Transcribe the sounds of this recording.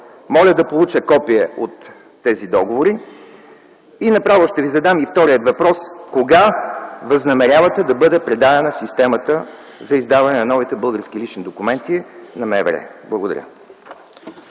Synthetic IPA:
mɔlʲəd̪ɐpolˠut͡ʃəkɔpiɛot̪ː | ɛzid̪ɔɡovoɾi | inɐpɾavʊʃt̪ɛvizɐd̪amift̪ɔɾijət̪vɐpɾɔskoɡavɐznɐmɛɾʲjavɐt̪ɛd̪ɐbɤd̪ɛpɾɛd̪ad̪ɛnɐsist̪ɛmət̪ə | zɐizd̪avɐnɛnɐnɔvit̪ɛbɤlˠɡəɾskilit͡ʃnid̪okumɛnt̪inɐmɛvɛ̰ɾɛ̰blˠɐɡod̪ɐ̰ɾʲə̰

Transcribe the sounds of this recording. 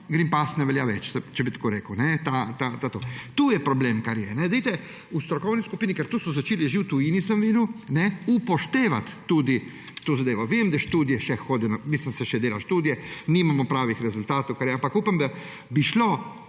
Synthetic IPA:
ɡɾimpasnɛʋɛljaʋɛt͡ʃsɛt͡ʃɛbit̪koːɾeːkəwnɛt̪at̪at̪at̪oːt̪ujɛpɾɔbleːmkaɾjɛnɛd̪ɛjt̪ɛ | ust̪ɾɔkɔwniskupiːnikɛɾt̪uːsɔzat͡ʃeːliʒiːwt̪uiːnisəmʋid̪unɛupɔʃt̪eːʋat̪ːuːd̪i | t̪oːzad̪eːʋɔʋeimd̪ɛʃt̪uːd̪ijɛʃɛxoːd̪ijɔnamislimsɛʃɛd̪eːlaʃt̪uːd̪ijɛnimamɔpɾaːʋixɾɛzult̪aːt̪owkaɾjɛampakuːpamd̪a | biʃlo

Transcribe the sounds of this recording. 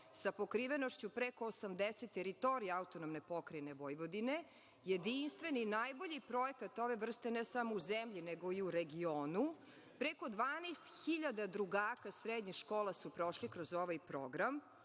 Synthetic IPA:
sapo̞kɾiʋeno̞ʃt͡ɕupɾeko̞ːsamd̪eset̪ːeɾit̪o̞ɾijaaut̪onomne̞po̞kɾajne̞ʋo̞jʋo̞d̪ine̞ | jed̪inst̪ʋe̞ninajbo̞ʎipɾojekat̪o̞ʋe̞ʋr̩st̪e̞nesamouzemʎineɡoiuɾeɡioːnu | pɾeko̞d̪ʋaːnest̪xiʎad̪ad̪ɾuɡaːkasɾed̪ɲixʃkoːlasupɾo̞ʃlikɾozoʋajpɾoɡɾam

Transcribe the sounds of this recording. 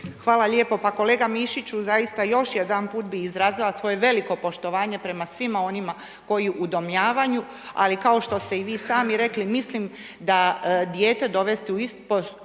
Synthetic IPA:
xʋaːlaʎe̞ːpo̞pako̞le̞ːɡamiʃit͡ɕuzajist̪ajo̞ʃje̞d̪anpuːt̪biizɾaːzilˠasʋo̞je̞ʋe̞liko̞po̞ʃt̪o̞ʋaːɲe̞pɾe̞masʋimao̞nima | ko̞jiʔud̪o̞mʎaːʋaɲu | a̰likao̞ʃt̪o̞st̪e̞iʋiːsaːmiɾe̞klimislim | d̪ad̪jeːt̪e̞d̪o̞ʋe̞st̪iuist̪po

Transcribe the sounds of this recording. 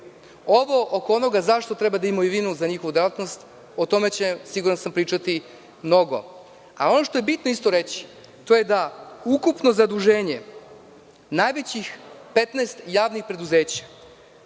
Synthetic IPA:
oʋo̞ʔokoono̞ɡazaʃt̪o̞t̪ɾebad̪aimoiʋinuzaɲixoʋud̪elat̪no̞st̪ | ot̪o̞met͡ɕesiɡuɾansampɾiːt͡ʃat̪i | mno̞ɡo̞̰ | ao̞no̞ʃt̪o̞je̞bit̪noist̪o̞ɾet͡ɕi̥ | t̪o̞je̞d̪aukupno̞zad̪uʒeːɲe̞ | najʋet͡ɕixpet̪nest̪jaːʋnixpɾe̞d̪uze̞ːt͡ɕḁ

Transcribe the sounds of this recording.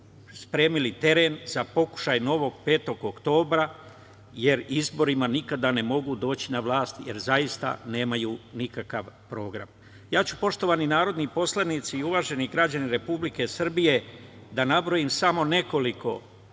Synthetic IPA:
spɾe̞ːmilit̪e̞ɾe̞nzapo̞ku̥ʃajno̞ʋo̞ɡpe̞ːt̪o̞ɡokt̪o̞ːbɾa | je̞ɾizbo̞ɾimanikad̪ane̞mo̞ɡud̪o̞ːt͡ɕinaʋlˠaːst̪jeɾzajist̪a̰ne̞ːmajunikakaʋpɾo̞ːɡɾa̰m | jaːt͡ɕu̥po̞ʃt̪o̞ʋaninaːɾo̞d̪nipo̞slˠanit̪siːuʋaʒe̞niɡɾad͡ʑaniɾe̞publike̞sr̩bije̞d̪anabɾo̞jimsamo̞ne̞ko̞liko̞̰

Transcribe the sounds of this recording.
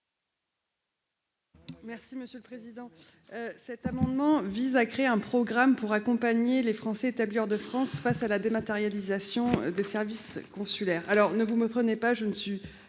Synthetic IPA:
mɛʁsiməsjøləpχezid̪ɑ̃ | øsɛt̪amɑ̃d̪mɑ̃vizakχeeɛ̃pχɔɡʁampuʁakɔ̃paɲelefχɑ̃sɛet̪abliɔʁd̪əfχɑ̃sfasalad̪emat̪eʁjalizasjɔ̃d̪esɛʁviskɔ̃sylɛːʁalɔʁnəvuməpχənepaʒənəsɥi

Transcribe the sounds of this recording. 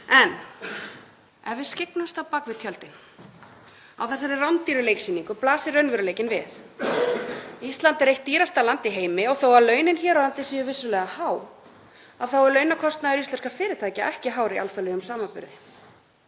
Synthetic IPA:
ɛnː | ɛvɪ̥scɪknast̪awpakvɪt̪ʰjœlt̪ɪn | a̰wθɛsːaɾɪrawnt̪iɾʏleːjksiːniŋkʏplaːsɪɾrœɥnvʏɾʏleːjcɪnvɪ̰θ | ist̪lant̪ɛɾejht̪ːiːɾast̪alant̪iɦeːjmɪɔɣθowalœːɥnɪnçɛːɾaant̪ɪsiʏvɪsːʏlɛɣahaːw | avθawɛɾlœːɥnakʰɔst̪naðɛɾist̪ɛnskafɪːɾɪɾ̥t̪ʰaːjcaʔɛhcɪɦaːwɾia̰lθalœɣʏmsaːmapʏ̰ɾðɪ

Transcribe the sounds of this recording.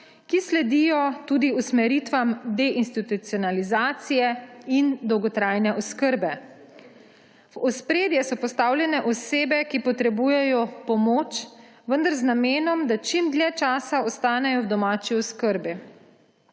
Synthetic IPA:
kislɛd̪ijɔt̪ud̪iusmɛɾit̪ʋamd̪ɛʔinst̪it̪ut̪siɔnalizaːt̪sijɛind̪ɔwɡɔt̪ɾaːjnɛʔɔskəɾbɛ | ɔspɾeːd̪jɛsɔpɔst̪aːwlʲjɛnɛʔɔseːbɛkipɔt̪ɾɛbuːjɛjɔpɔmoːt͡ʃ | ʋənd̪aɾznameːnɔmd̪at͡ʃimd̪lʲɛt͡ʃaːsaɔst̪aːnɛjɔwd̪ɔmaːt͡ʃiɔskəɾbi

